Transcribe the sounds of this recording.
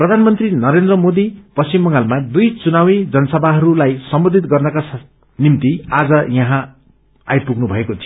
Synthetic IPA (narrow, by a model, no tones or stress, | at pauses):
prʌd̪ʱanmʌnt̪rinʌɾend̪rʌmod̪ipʌsimbʌŋɡalmad̪ujt͡sunawid͡zʌnʌsʌbʱaɦʌɾulajsʌmbʌd̪ʱit̪̚ɡʌrnʌkas | nimt̪iad͡zʌjʌɦã | a̰jpuɡnubʱʌekot͡sʰi